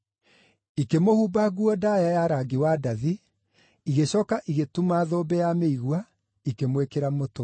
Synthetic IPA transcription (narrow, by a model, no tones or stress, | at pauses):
ikemohuːbaɣuɔdajajaɾaɡiwadaði | iɣeɕɔːkaʔiɣetumaðoːbɛjameiɣwa | ikemwekeɾamoto